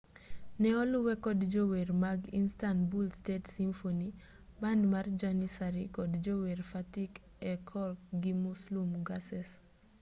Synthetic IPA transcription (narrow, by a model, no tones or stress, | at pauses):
nɛɔluwɛkɔdd͡ʒowermaɡinstanbulstetsimfoni | bandmard͡ʒanisaɾikɔdd͡ʒowerfatik | ɛkʰɔlɡimuslumɡasɛs